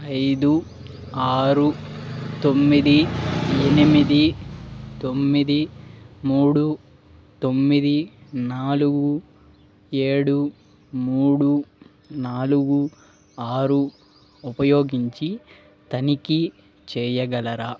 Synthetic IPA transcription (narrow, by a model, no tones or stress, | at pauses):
ɐjd̪u | aːɾut̪o̞mːid̪ienimid̪i | t̪o̞mːid̪imuːɽu | t̪o̞mːid̪inaːluɡu | e̞ːɽu | muːɽu | naːluɡu | aːɾu | upɐjo̞ːɡiɲt͡ʃi | t̪ɐniki | t͡ʃɛːjɐɡɐlɐɾa